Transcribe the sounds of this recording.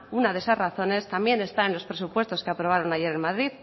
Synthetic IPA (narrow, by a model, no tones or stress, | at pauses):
unaðe̞sasraθo̞ne̞st̪ambje̞ne̞st̪aenlo̞spɾe̞supwe̞st̪o̞skeapɾo̞β̞aɾo̞naʝe̞ɾe̞nmaðɾið